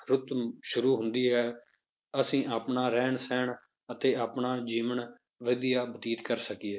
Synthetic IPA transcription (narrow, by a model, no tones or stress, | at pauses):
ɾʊt̪ʃʊɾuːɦʊnd̪iːɦɛː | əsĩːʔaːpɳaːɾɛːɳsɛːɳ | ət̪eːaːpɳaːd͡ʒiːʋəɳ | ʋəːd̪ijaːbət̪iːt̪kəɾsəkieː